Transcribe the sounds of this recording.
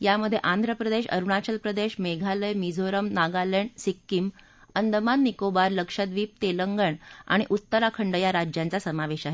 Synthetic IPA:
jaməd̪ʱjeʔãnd̪ʱɾəpɾəd̪eɕə̰ɾuɳat͡ɕəlpɾəd̪eɕmeɡʱaləjmid͡zʱoɾəmnaɡaləɳsikːim | ənd̪ʱəmanːikobaɾləkʂəd̪ʋiːp̚t̪eləŋɡəɳa̰ɽ̃iʔut̪ːəɾakʰəɳɖəjaɾad͡ʑjãnt͡sasəmaʋeɕaɦe

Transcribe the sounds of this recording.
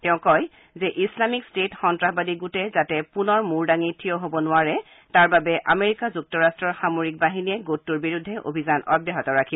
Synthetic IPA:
tɛʊ̃kɔj | zɛʔislamikstetxɔntɹaxbadiɡutɛzatɛpunɔɹmuɹdaŋitʰijɔɦobɔnʊaɹɛ | taɹbabɛʔameɹikazuk̚tɔɹastɹɔɹxamoɹik̚baɦiniɛɡotːuɹbiɹudʱːɛʔo̰bʱizanɔ̰djɛɦɔtɔɹakʰibɔ

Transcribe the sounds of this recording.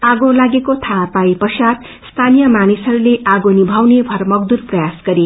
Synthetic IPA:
aɡolaɡekot̪ʰapajpʌsat̪ | st̪ʰanijʌmanisʌɾuleʔaɡonibʱawnebʱʌrmʌɡ̚d̪urprʌjasɡʌɾi

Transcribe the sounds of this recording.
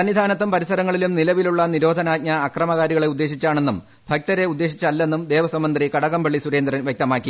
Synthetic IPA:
ɐnʋid̪ʱaːnɐt̪ːɐmpɐɾisɐɾɐŋːɐɭilumnilɐʋiluɭːɐniɾo̞ːd̪ʱɐnaːd̚ɲɐːkrɐmɐɣaːɾiɣɐɭe̞ud̪ːe̞ːɕ̬it͡ɕːaːɳe̞nːum | bʱɐk̚t̪ɐɾe̞ud̪ːe̞ːɕit͡ɕːɐlːe̞nːumd̪e̞ːʋɐsɐmːɐnd̪rikɐɽɐɣɐmbɐɭːisuɾe̞ːnd̪rɐnʋjek̚t̪ɐmaːkːi

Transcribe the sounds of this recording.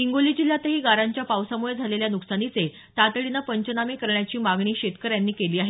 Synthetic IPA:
iŋɡoliːd͡ʑiljat̪əɦiːɡaɾaɲt͡ɕjapawsamuɭed͡zʱaleljanuksanit͡se | t̪at̪ɭinapəɲt͡ɕənamekəɾɳjat͡ɕiːmaɡɳiːɕet̪kəɾjanːiːkeliːaɦe

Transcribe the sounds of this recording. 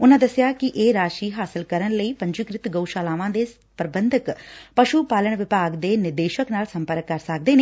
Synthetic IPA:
ʊnãːd̪əsːjaːkɪʔeːɾaːʃiːɦaːsɪlkəɾənləiːpəɲd͡ʒʊkɾɪt̪ɡəuʃaːlaːʋãːd̪eː | pɾəbənd̪əkpəʃupaːləɳʋɪpaːɡd̪eːnɪɾd̪eːʃəknaːlsəmpəɾəkːəɾsək̚d̪eːneː

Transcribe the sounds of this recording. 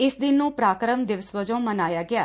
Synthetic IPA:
ɪsd̪ɪnːũːpɾaːkɾəmd̪ɪʋəsʋəd͡ʒõːmənaːjaːɡɪaː

